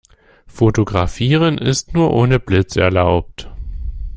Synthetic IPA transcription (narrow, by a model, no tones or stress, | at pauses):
fotoɡʁafiːʁ̞ənʔɪ̰stnuːɐʔoːnəblɪt͡sɛ̰ɐlaʊp̚t